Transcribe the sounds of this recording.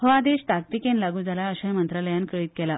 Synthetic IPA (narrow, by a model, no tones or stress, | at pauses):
hɔad̪eɕt̪ak̚t̪ikẽnlaɡũːd͡zʱalaəɕajmənt̪ɾaləjankəɭiːkɛla